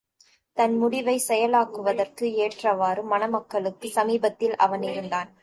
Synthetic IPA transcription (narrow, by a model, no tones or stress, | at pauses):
t̪ɐnmʊɽɪʋɐɪsɛjɐlaːkɯʋɐðɐrkɯeːʈrɐʋaːɾɯmːɐnɐmɐkːɐɭɯkːɯsɐmiːbɐt̪ːɪlʔɐ̰ʋɐnɪɾɯnd̪aːn